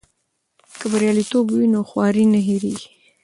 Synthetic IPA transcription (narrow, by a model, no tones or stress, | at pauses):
kəbaɾjɑlit̪obwinoxwɑɾinaɦiɾi